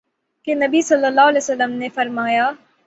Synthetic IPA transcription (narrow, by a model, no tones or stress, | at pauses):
kenɐbisɐlːəlːaːɦlɛːsɐlːəmnefɐɾmaːjaː